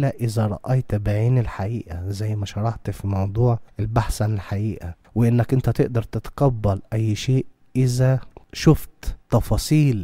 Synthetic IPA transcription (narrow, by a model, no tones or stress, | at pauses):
læʔɪzæɾˤɑ̰ʔɑjt̪baʕiːnɪlħaʔiːʔæzæjːmæʃɑɾˤɑħt̪fimɑwd̪ˤuːʕʔɪlbaħsænɪlħaʔiːʔæ | wɪʔɪnːækʔɪnt̪æt̪eʔd̪ɑɾˤt̪et̪qɑbːælʔæjːʃeːʔ | ʔɪzæʃʊft̪t̪ːɑfɑːsˤiːl